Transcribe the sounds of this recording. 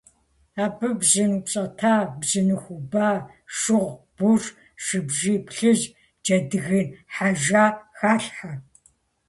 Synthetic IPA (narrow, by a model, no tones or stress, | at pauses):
aːbɨbzɨnupt͡sʼɐtʰaːbzɨnɨxʷubaː | ʃɨʁ | b̥ur | ʃɨbʒiːpɬɨʒ | d͡ʒɐdɨɣɨnħaʒaːxaːɬħa